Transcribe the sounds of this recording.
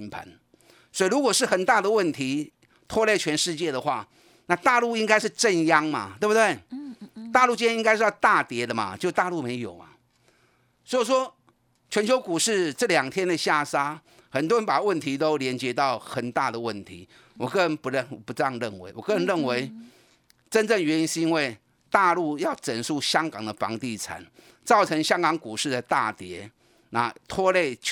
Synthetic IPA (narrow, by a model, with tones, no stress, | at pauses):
npʰa̰˨˦˥n | swɔ˧˥i˨˩ɻu˧˥kwɔ˨˩ʂɻ̩˥˩xə˨˩nt̪a˥˩d̪ə˨wə˥˩nt̪ʰi˧˥ | t̪ʰwɔ˥le˥˩ɪt͡ɕʰɥɛ˧˥nʂɻ̩˥˧t͡ɕjɛ˥˩d̪ə˩xwa˥˩ | na˥˧t̪a˥˧lu˥˩i˥ŋka˥ɪʂɻ̩˥˧ʈ͡ʂə˥˧njɑ˦ŋma̰˨t̪we˥˧˩bu˧˩t̪we˥˩ɪt̪a˥˧lu˥˧t͡ɕi˥˧njɛ˥i˥ŋka˥ɪʂɻ̩˥˩jɑ˥˧ʊt̪a˥˩t̪jɛ˧˥d̪ə˨ma̰˨t͡ɕjo˥˧t̪a˥˧lu˥˩me˧˥ɪjo˨˩ʊma̰˨˦ | swɔ˧˥i˨˩ʂwɔ˥ | t͡ɕʰɥɛ˧˥nt͡ɕʰjo˧˥ʊku˨˩ʂɻ̩˥˩ʈ͡ʂɤ˥˩ljɑ˨˩ŋt̪ʰjɛ˥nd̪ə˨ɕja˥˩sa˥ | xə˨˩nt̪wɔ˥ɻə˧˦npa˨˩wə˥˩nt̪ʰi˧˥t̪̬o˥ʊljɛ˧˥nt͡ɕjɛ˧˦t̪̬ɑ˥˩ʊxə˨˩nt̪a˥˩d̪ə˩wə˥˩nt̪ʰḭ˨˥˦ | wɔ˨˩kɤ˥ə˥˩ɻə˧˦npu˧˥ɻə˨n˨˩pu˧ʈ͡ʂjɑ˥˧ŋɻə˥˩nwḛ˧˦ɪwɔ˨˩kɤ˥˩ə˧˦nɻə˥˩nwe˧˥˦ɪ | ʈ͡ʂə˦nt͡sə˥˩ŋɥɛ˧˦ni˧˦nʂ̩˥˧i˦˥nwe˥˩ɪ | t̪a˥˧lu˥˧jɑ˥˩ʊʈ͡ʂə˨˩nʂu˥˩ɕjɑ˥ŋkɑ˨˩ŋd̪ə˩fɑ̰˧˥ŋt̪i˥˩t͡sʰa̰˨˩˦n | t͡sɑ˥˩ʊt͡sʰə˧˥ŋɕjɑ˥ŋkɑ˨˧˥ŋku˨˩ʂɻ̩˥˩d̪ə˩t̪a˥˩t̪jɛ˧˥ | na˨˧˩t̪ʰwɔ˥le˥˩ɪ